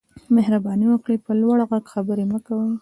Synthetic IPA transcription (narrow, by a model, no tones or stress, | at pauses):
mehɾabɑniwəkɽipəlwaɽɣaɡxabəɾeməkawə